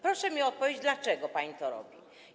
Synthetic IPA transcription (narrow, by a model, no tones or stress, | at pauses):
pɾɔʂɛmʲiɔt̪̚pɔvjed͡ʑd̪lat͡ʂɛɡɔpaɲit̪ɔɾɔ̰bʲḭ